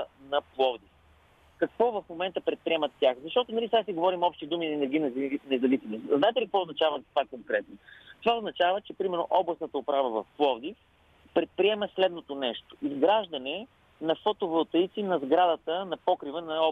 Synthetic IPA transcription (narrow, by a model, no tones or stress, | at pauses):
nɐplˠɔvd̪if | kɐkvɔvɐfmomɛnt̪əpɾɛt̪̚pɾiɛmɐt̪ːaxzɐʃt̪ɔt̪ʊnɐlisasiɡovɔɾimɔpʃt̪id̪uminɛnɛɾɡinɛzinɛzɐvisʲimosznaɛt̪ɛlikəkvɔoʊznɐt͡ʃavəzɐt̪ovakoŋkɾɛt̪̚not̪ovaoznɐt͡ʃavət͡ʃɛpɾimɛɾno̰ʔɔblˠɐsnət̪əʊpɾavəvɐfplˠɔvd̪if | pɾɛt̪̚pɾiɛməslɛd̪not̪onɛʃt̪o̥izɡɾaʒd̪ɐnɛ | nɐfot̪ovəlˠt̪əjt̪sinɐzɡɾad̪ət̪ənɐpɔkɾivənɐɔ